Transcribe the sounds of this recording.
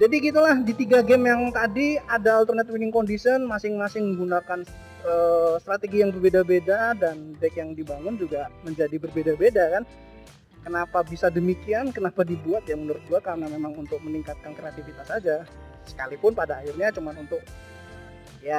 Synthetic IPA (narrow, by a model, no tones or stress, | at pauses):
d͡ʒadiɡit̪̬ulahdit̪iɡaɡɛmjaŋt̪adiadaːlt̪ərnɛt̪̚winɪŋkondisənmasɪŋmasɪŋməŋɡunakan | əst̪ɾat̪eɡijaŋbərbedabedadanbak̚jaŋdibaŋʊnd͡ʒuɡaməɲd͡ʒadibərbedabedakan | kənapabisadəmikiankənapadibuat̪̚jaŋmənərɡuakarənamemaŋunt̪ʊk̚məniŋkat̪̚kankɾeat̪ifit̪asad͡ʒa | sə̥kalipʊnpadaːhɪrɲat͡ʃumanunt̪ʊk̚ | ja